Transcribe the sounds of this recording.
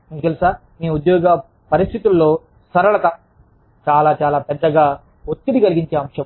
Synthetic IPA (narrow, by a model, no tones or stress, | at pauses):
it̪elisaː | miːud̪jɔːɡɐ | pɐɾist̪ʰit̪ulːo̞ː | sɐɾɐɭɐt̪a | t͡ʃaːlaːt͡ʃaːlaːpɛd̪ːɐɡaː | ot̪̚kiɽiɡɐliɡiɲt͡ʃeːɐmʂɐ